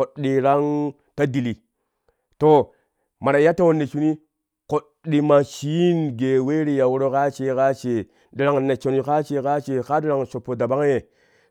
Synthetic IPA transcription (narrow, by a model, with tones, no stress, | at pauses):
o˨ɗːi˨ɾa˦ŋ | ta˦di˨li˨ | to˦ | ma˨ɾa˨ja˦ta˦wo˦nːe˨t͡ʃu˦ni˦ | ko˨ | ɗi˨ma˨ʃi˦nɡe˨we˦ɾi˦˨ja˨wu˦ɾo˦ka˦t͡ʃe˨ka˦t͡ʃe˨ | di˨ɾa˨ŋ˨ne˨t͡ʃo˨ni˨ka˦t͡ʃe˨ka˦t͡ʃe˨ka˦di˦ɾa˨ŋt͡ʃo˨pːo˨da˨ba˦ŋ˦je˨